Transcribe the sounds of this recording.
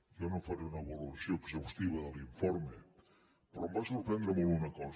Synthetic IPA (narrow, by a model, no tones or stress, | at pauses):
ʒanofaɾeunəβəluəsioːɡzəwst̪iβ̞əðəliɱfoɾme | pəɾɔmbasuɾpɾɛnd̪ɾəmolˠɣunəkɔz